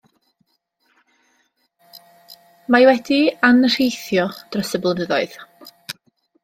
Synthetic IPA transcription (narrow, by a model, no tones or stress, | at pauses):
majwɛdianr̥ejθjɔd̥rɔsəblˠənəðɔɨð